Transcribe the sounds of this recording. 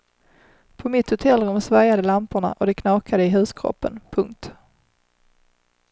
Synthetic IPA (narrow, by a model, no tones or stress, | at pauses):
pʰɔmɪt̪hʊt̪ʰɛlːɾɵmsvaɾjad̪əlampəɳa̰ʔɔd̪ɛkʰnɑːkʰad̪əɪɦʉ̟ːskʰɾɔ̰pːə̰npʰɵŋk̚t̪